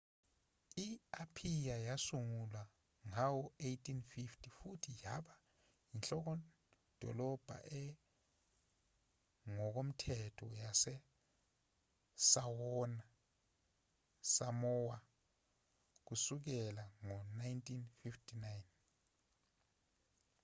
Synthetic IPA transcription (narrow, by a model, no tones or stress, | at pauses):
iapʰijajasuŋulwa | ŋawɔejtʰʼinfiftʰʼifutʰijaɓa | inɬɔk̬ɔ | d̥ʱɔ̰lɔb̥ʱa̰ʔɛ | ŋɔk̬om̩tʰɛtʰɔjasɛ | sawɔna | samɔwa | k̬usuk̬ɛlaŋɔnajntʼinfiftʰʼinajn